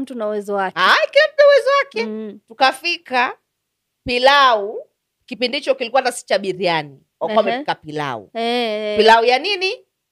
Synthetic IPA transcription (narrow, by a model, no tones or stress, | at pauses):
m̩tunauwɛzɔwakaikilam̩tauwɛzɔwakɛtukafika | pilau | kipindiit͡ʃɔkilikuwanasi̥t͡ʃaɓiɾiani | wakkamɛfikapila̰ṵpilaujanini